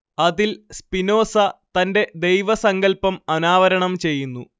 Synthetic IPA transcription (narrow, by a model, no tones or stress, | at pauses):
ɐðilspino̞ːsɐt̪ɐnde̞d̪e̞jʋɐsɐŋɡɐlpɐmɐnaːʋɐɾɐɳɐmt͡ɕe̞jːunːu